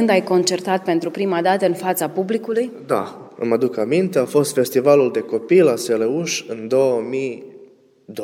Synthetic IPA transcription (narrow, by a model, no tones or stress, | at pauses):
ɨnd̪ajko̞nt͡ʃert̪at̪̚pe̞nt̪ɾupɾimad̪at̪əɨnfat̪sapublikulujd̪a̰ɨ̰mad̪ukamint̪e̞afo̞st̪fe̞st̪ivaluld̪e̞ko̞pilaseleuʃɨnd̪o̞wəmi | d̪o